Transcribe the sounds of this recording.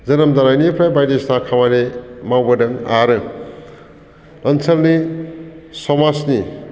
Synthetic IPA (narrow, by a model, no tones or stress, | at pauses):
zɐnɐmd̪aɾajnipʰɾajbajdestakʰamanemawbɐdɐŋaɾɯ | ɐnsʰɐlni | sɔmasni